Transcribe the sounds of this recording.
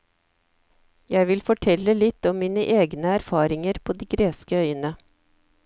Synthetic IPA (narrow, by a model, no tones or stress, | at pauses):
jæɪʋɪlfɔʈʰɛlːəlɪt̪ːɔmmiːnəʔeːɡnəæɾfɑːɾɪŋəɾpʰoːd̪iːɡɾeːskəœʏənə